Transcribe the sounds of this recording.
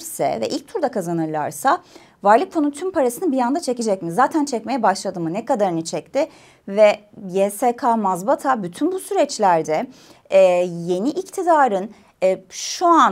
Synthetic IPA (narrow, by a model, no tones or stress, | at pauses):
sɛ̰vɛ̰ʔilʲc̚t̪ʰuɾd̪akʰazanɯɾlˠa̰ɾsa | vaɾlˠɯk̚fonunt̪ʰympʰaɾasɯnɯbijand̪at͡ʃʰecid͡ʒɛc̚mizaːt̪ʰænt͡ʃʰɛcme̞jɛbaʃlˠad̪ɯmɯnɛkad̪aɾɯnit͡ʃʰɛc̚t̪ʰɪ | vɛjeːsekʰamazbat̪ʰabyt̪ʰynbusyɾɛt͡ʃlʲæɾd̪ɛ | je̞niʔict̪ʰid̪aːɾɯnː | ʃuan